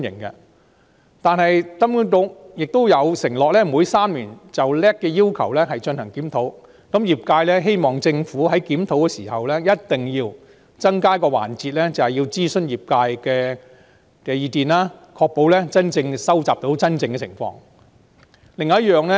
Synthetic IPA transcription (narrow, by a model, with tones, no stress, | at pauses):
njɪ̰˨˩ŋkɛ̰˧ | t̪aː˨nɦɐ˨jkɐ˥m˥t̪o˨˥w̚jɪ˨k̚t̪o˥wjɐ˨˧wsɪ˨˩ŋlɔː˨k̚lɛː˥muː˨˥jsaː˥mliː˨˩nt͡sɐ˨wlɛː˥kːɛː˧jiː˥wkʰɐ̰˨˩wlɛ˥ɦɐ˨jt͡ʃɵ˧nhɐ˨˩ŋkiː˨˥mt̪ʰo˨˥w | kɐ˨˥mjiː˨˩p̚kaː˧jlɛ˥ɦe˥jmɔː˨ŋt͡sɪ˧ŋfuː˨˥ɦɐ˨˥jkiː˨˥mt̪ʰo˨˥wkɛː˧siː˨˩ɦɐ˨wlɛː˥jɐ˥t̚t̪ɪ˨ŋjiː˧w | t͡sɐ˥ŋkaː˥kɔː˧wa̰ː˨˩nt͡siː˧t̚lɛ˥t͡sɐ˨whɐ˨jiː˧wt͡siː˥sɵ˥njiː˨p̚kaː˧jkɛː˧ | kɛː˧jiː˨˧t̪iː˨˩nlaː˥kʰɔː˧k̚po˨˥wlɛ˥t͡sɐ˥nt͡sɪ˧ŋsɐ˥wt͡saː˨p̚t̪o˨˥wt͡sɐ˥nt͡sɪ˧ŋkɛ˧˨ɪ̰˨˩ŋfɔ̰ː˧ŋ | lɪ˨ŋ̚ː˨˦˥jœː˨ŋlɛ˥